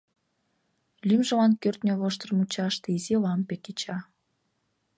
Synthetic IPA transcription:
lʲymʒə̆lɑnkørt̪nʲeβoʃt̪ə̆rmut͡ɕɑʃt̪izilɑmpeket͡ɕɑ

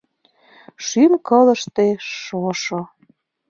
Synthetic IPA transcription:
ʃymkɤlə̆ʃt̪eʃoʃo

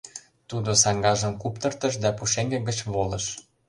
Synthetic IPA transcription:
t̪ud̪osɑŋɡɑʒə̆mkupt̪ə̆rt̪ə̆ʃ̬d̪æpuʃeŋɡĕɡə̆t͡ɕβolɤ̆ʃ

